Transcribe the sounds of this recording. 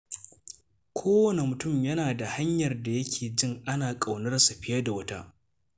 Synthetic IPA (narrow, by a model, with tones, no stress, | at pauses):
kʷʰoː˦wɐ˦˨ne˨mʊ˨tʊ˦˨mjɐ˦naː˨da˨ha˦ɲjɐ˨rda˨jɐ˦kʲʰeː˨d͡ʒɪ˦ŋʔa˦naː˨kʼa˨wnɐ˦rsu˨ɸɪ˦jɐ˦da˨wɐ˦ta̰ː˦